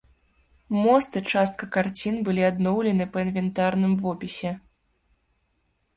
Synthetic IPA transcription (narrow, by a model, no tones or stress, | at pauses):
mɔst̪ɨt͡ʂast̪̚kɐkart͡sʲinbɨlʲiad̪nɔwlʲɛnɨpɐinvʲɛnt̪arnɨmvɔpʲisʲɛ